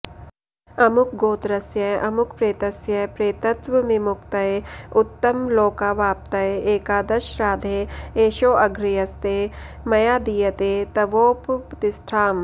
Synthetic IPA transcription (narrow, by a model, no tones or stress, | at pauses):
ɐmʊk̚ɡoːt̪ɾɐsjɐɐmʊkpɾeːt̪ɐsjɐpɾeːt̪ɐt̪ʋɐmimʊkt̪ɐeʊt̪ːɐmloːkaːʋaːp̚t̪ɐeeːkaːd̪ɐʃɾaːd̪ʱeeːʃoːʔɐɡɾijɐst̪eː | mɐjaːd̪ijɐt̪eːt̪ɐʋoːppɐt̪ɪsʈʰaːm